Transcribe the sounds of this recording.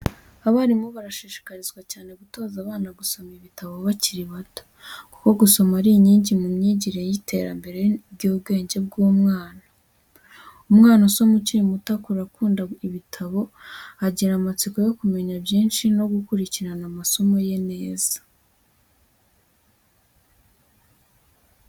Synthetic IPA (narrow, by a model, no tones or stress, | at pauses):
aβaɾimuβaɾaʃiʃi̥kaɾizɡwacaːne̞ɡuto̞ːzaβaːnaɡuso̞miβitaβo̞βaciɾiβato̥ | ku̥ko̞ɡuso̞maɾiɲiːɲɟimumɲiːɟiɾejitʰe̞ɾa̰mbe̞ɾe̞b̚ɟoːb̚ɡe̞ːɲɟe̞b̚ɡuːmŋaːna | umŋaːnoso̞muciɾimutakuɾakuːndaiβitʰaβo̞aɟiɾamat͡siko̞jo̞kume̞ɲabjiːnʃino̞ɡukuɾiciɾanamaso̞mo̞je̞ne̞ːzḁ